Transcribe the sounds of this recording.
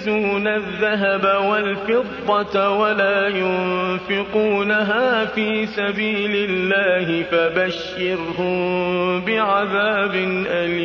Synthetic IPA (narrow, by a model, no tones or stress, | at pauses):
zuːnaðːaɦabawalfɪd̪ˤːɑwalaːjʊnfɪquːnaɦaːfiːsabiːlɪlːaːɦɪfabaʃːɑɾhʊmbɪʕaðaːbɪnʔalː